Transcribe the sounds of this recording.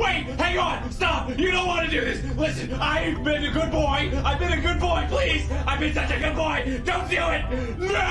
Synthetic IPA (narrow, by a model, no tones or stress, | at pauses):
weɪt̚hæ̃ŋə̃nstɑp̚jɨnõʊ̃nwʌɾɨdɨðɪs | lɪsɨ̃naɪmɨ̃ɾɨɡʊd̚bɔɪaɪbɨ̃nɨɡʊd̚bɔɪpʰl̥iz̥aɪvbɨ̃nsʌt͡ʃɨɡʊd̚bɔɪ | d̥õʊ̃ntfilˠɪt̚ | no